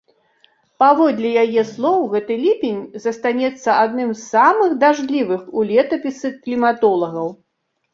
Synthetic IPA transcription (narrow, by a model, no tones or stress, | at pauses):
pavɔd̪lʲijajɛslˠɔwɣɛt̪ɨlʲipʲinʲzɐst̪anʲɛt̪sːɐad̪nɨmsːamɨxd̪aʐlʲivɨxulʲɛt̪ɐpʲisɨklʲimat̪ɔlˠɐɣɐw